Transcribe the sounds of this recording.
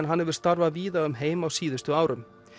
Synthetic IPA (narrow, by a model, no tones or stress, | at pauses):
nɦanhɛvʏɾ̥st̪aɾvaviːðaʏmɦeːjmawsiːðʏst̪ʏaːwɾʏm